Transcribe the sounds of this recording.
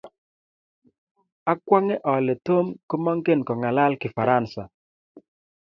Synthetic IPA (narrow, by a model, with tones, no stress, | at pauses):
a˦kwa˦ŋɛ˦ʔɔ˨le˨to˦mko˦mɔ˦ŋke˦nkɔ˨ŋa˨la˦lkɪ˨fa˨ɾa˦nsa˨